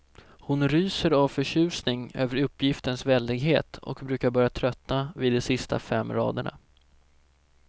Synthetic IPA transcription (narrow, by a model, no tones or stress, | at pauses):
hʊnɾyːsəɾavfœɕʉ̟ːsnɪŋøːvəɾɵpːjɪft̪ənsvɛld̪ɪɡɦeːt̪ɔ̰kbɾʉ̟ːkaɾbœːɾjat̪ʰɾœt̪navɪd̪ːɔsɪst̪ʰa̰fɛmːɾɑ̰ːd̪əɳa̰